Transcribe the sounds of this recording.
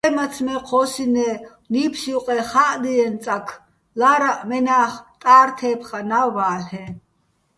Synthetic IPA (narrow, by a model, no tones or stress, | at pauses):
ɛmat͡sʰmɛqʰɔːsinɛ | niːpʰʃiwqʼɛχaʔd̪iɛnt͡sʼakʰ | laːɾaʔmɛnaːχt̪ʼaːɾt̪ʰɛːpʰχanaːaːlhɛ